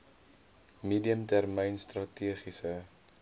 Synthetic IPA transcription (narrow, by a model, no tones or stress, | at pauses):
miːdiəmtærməjnstrɐtiəχisə